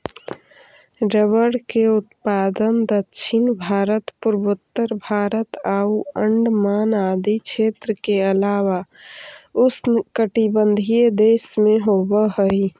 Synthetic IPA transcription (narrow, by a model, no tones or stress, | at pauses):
ɾəβəɽkeʊt̪pad̪ənd̪ətːʃʰinbʱaːɾət̪puɾbət̪ːəɾbʱaːɾət̪auə̃ɳɖmaːnad̪ikt͡ʃʰet̪ɾəkeəlaːwa | ʊskəʈibənd̪ʱied̪esmẽɦobəɦəi